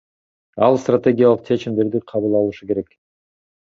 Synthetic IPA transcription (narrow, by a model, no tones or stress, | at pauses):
ɑlˠst̪rat̪ʲe̞ɡʲɪjalˠəqt͡ʃʰe̞t͡ʃimd̪e̞ɾd̪iqʰɑβɯlˠɑlˠuʃuke̞ɾe̞k